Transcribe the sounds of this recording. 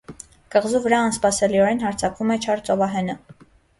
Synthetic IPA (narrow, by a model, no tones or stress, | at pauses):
kəʁzuvəɾɑːnspɑsɛliɔɾɛnhɑɾt͡sʰɑkvumɛt͡ʃʰɑɾt͡sɔvɑɦɛnə